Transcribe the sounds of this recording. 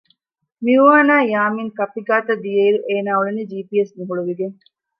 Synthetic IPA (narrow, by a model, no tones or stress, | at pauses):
miuʋaːnaːjaːmiŋkɐpiɡaːt̪ɐd̪ijeiɾuʔeːnaːuɭeniːd͡ʒiːpiesniɦuɭuʋiɡeŋ